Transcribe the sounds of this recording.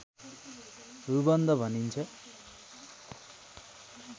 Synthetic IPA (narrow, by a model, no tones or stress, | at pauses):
ɦubʌnd̪ʌbʱʌnint͡sʰʌ